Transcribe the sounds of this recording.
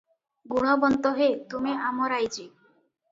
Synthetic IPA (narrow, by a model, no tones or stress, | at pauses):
ɡuɽ̃obɔnt̪oɦet̪umiʔamoɾajd͡ʑi